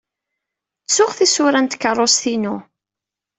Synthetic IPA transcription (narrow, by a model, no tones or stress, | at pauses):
t͡sːʊχθisʊɾænt̪kərˤːosθinu